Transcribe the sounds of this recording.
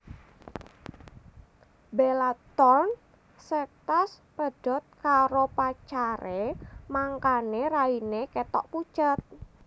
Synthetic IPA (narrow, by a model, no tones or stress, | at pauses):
belat̪ɔrn | sɛk̚t̪as | pəɖ̥ɔt̪̚kaɾopat͡ʃaɾemaŋkaneɾaineket̪ɔ̰ʔpu̥t͡ʃət̪̚